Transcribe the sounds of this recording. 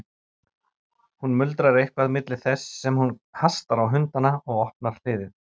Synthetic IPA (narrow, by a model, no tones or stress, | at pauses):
hunmʏlt̪ɾaɾejhkvaðmɪt̪lɪ̥θɛsːɛmhunhast̪aɾawɦʏnt̪anaɔɣɔhp̚naɾ̥θɪːðɪð